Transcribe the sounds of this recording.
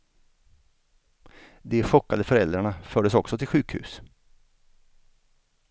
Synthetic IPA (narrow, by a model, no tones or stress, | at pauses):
d̪ɛɧɔkːad̪əfœɾɛld̪ɾaɳafœːɖəsɔksɔt̪ʰɪlɧʉ̟ːkhʉ̰ːs